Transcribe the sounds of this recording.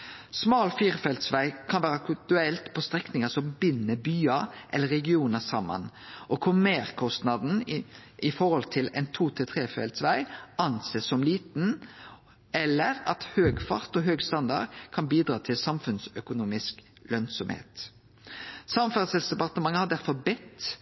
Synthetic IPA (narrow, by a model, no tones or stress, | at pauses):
smɑːlfiːʁfɛlt̪sʋæɪkʰɑnʋæːɾəkʉt̪ʉɛlt̪pʰɔst̪ʁɛknɪŋəsɔmbɪnːəbyːɑʔɛ̰lːəɾɛɡɪuːnəsɑmːɑ̰nʔɔkʰʊmeːʁkʰɔst̪nɑd̪n̩ɪfɔɾhɔlt̪ʰɪlɛ̰ɪnt̪ʰuːt̪ʰɪt̪ʰʁeːfɛ̰lt̪sʋæɪʔɑnseːsɔmliːt̪n̩ | ɛlːəɾɑt̪høːɡfɑ̰ʁt̪ɔɦøːɡst̪ɑnd̪ɑ̰dkʰɑnbiːd̪ɾɑːt̪ʰɪlsɑmfʉnsœkʊnuːmɪsk | lœnsɔmhḛːt̪ | sɑmfɛʁsɛlsd̪ɛpɑʁt̪əmɑŋːəhɑd̪æɾfɔɾbɪt̪